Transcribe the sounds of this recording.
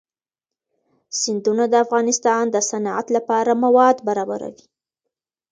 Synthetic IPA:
sɪnd̪unad̪əafɣɑnɪst̪ɑnd̪əsana̰t̪lapɑɾamawɑd̪baɾɑbaɾa̰wi

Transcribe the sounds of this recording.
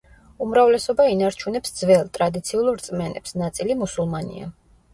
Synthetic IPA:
umɾavlɛsɔbainaɾt͡ʃʰunɛpsd̪zvɛlˠt̪ʼɾad̪it̪sʰiulˠɾt̪sʼmɛnɛ̰psnat̪sʼilimusulˠmanḭa̰

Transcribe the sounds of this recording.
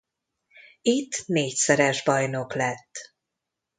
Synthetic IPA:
it̪ːneːcsɛɾɛʒbɒjno̞klɛt̪ː

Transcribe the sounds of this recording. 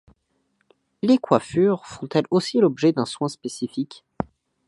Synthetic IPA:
lekwafyʁfɔ̃t̪ɛlosilɔbʒɛd̪ɛ̃swɛ̃spesifik

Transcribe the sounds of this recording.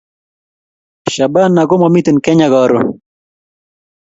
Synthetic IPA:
ɕɐbɐnːɐɡomɐmit̪enkeɲɐɡɑːɾṵ

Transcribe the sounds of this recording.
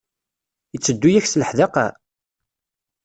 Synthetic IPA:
ət͡sːəd̪ːujæçsləħðɑqa̰

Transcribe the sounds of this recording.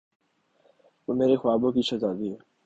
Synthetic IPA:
ʋoːmeːɾexʊaːbõkit͡ʃʰəzaːd̪iɦeː

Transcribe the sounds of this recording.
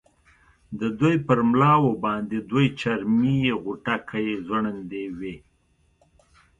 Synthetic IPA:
d̪əd̪ujpəɾmlɑwobɑnd̪ed̪ujt͡ʃaɾmijeɣuʈakʰajezwəɳənd̪ewe

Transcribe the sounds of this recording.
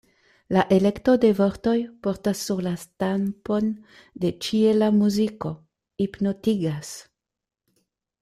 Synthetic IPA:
laʔe̞le̞kto̞de̞vo̞ɾto̞jpo̞ɾtasːuɾlastampo̞n | de̞t͡ʃie̞lamuziko̞ | ipno̞tiɡas

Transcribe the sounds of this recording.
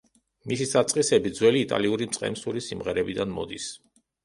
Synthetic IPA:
misisat̪sʼqʼisɛbid̪zwɛliːt̪ʼa̰liuɾimt̪sʼqʼɛ̰msuɾisimʁɛɾɛbid̪anmɔ̰d̪is

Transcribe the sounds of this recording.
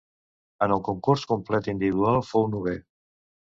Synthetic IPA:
ənəlˠkuŋkuɾskumplɛt̪ind̪iβiðualˠfownuβe

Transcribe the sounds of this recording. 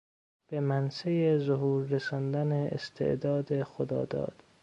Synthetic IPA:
b̥emænsejezoɦuːɾːesɒnd̪ænḛːst̪ʰḛʔd̪ɒːd̪exod̪ɒ̰ːd̪ɒ̰ːd̪̥

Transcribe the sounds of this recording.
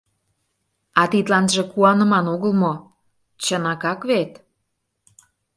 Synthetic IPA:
ɑt̪it̪lɑnʒĕkuɑnə̆mɑnoɣəlmo | t͡ɕənɑkɑkβet̪

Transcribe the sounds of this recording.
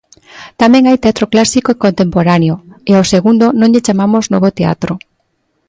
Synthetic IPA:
t̪amɛ̃ŋajt̪eat̪ɾoklasikoekont̪empoɾaneoeoseɣund̪onõŋʎet͡ʃamamoznoβot̪ea̰t̪ɾo

